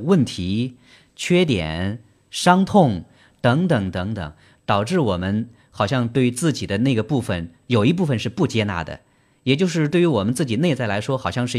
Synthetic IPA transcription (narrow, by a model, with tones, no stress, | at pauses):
wə˥˩nt̪ʰi˧˥ | t͡ɕʰɥɛ˥t̪jɛ̰˨˩˦n | ʂɑ˥ŋt̪ʰʊ˥˩ŋ | t̪ɤ˧˥ŋt̪ɤ˨˩˥ŋt̪ɤ˧˥ŋt̪ɤ̰˨˩˦ŋ | t̪ɑ˨˩ʊʈ͡ʂɻ̩˥˩wɔ˨˩mə˦˥n | xɑ˨˩ʊɕjɑ˥˧ŋt̪we˥˧ɪt͡sɹ̩˥˩t͡ɕi˨˩d̪ə˦ne˥˩ɪɡə˩pu˥˩fə̰˩n | jo˨˩ʊi˧˥p̬u˥˩fə˨˧nʂɻ̩˥˧pu˥˩t͡ɕjɛ˥na̰˧˥d̪ə̰˨ | jɛ˨˩t͡ɕjo˥˧ʊʂ̬ɻ̩˧t̪we˥˩ɪy˧˥wɔ˨˩mə˦nt͡sɹ̩˥˩t͡ɕi˨˩ne˥˧t͡sa˥˩ɪla˧˥ɪʂwɔ˥xɑ˨˩ʊɕjɑ˥˧ŋʂɻ̩˥˩